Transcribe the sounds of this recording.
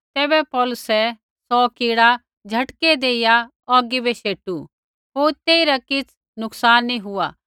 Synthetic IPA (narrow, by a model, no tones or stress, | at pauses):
t̪ɛːbɛpɔːlʊsɛ | sɔːkiːɽa | d͡ʒʱɐʈked̪eːɪja | ɔːɡibɛʃeːʈu | ɦoːɾt̪eːiɾakɪt͡sʰ | nʊksaːnːĩɦʊa